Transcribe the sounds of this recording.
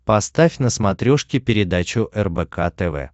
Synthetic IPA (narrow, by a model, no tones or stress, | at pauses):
pɐst̪afʲnəsmɐt̪ɾʲoʂkʲɪpʲɪɾʲɪd̪at͡ɕʊʔɛrbɛkʰat̪ɛvɛ̰